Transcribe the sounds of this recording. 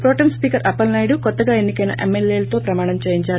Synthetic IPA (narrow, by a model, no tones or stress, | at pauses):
pɾoːʈɐmspiːkɐɾʔɐpːɐlnaːjɽukɔt̪ːɐɡaːe̞nːikɐjnɐ̰ʔemːeleːlɐt̪o̞ːpɾɐmaːɳɐmt͡ʃeːjiɲt͡ʃaːɾu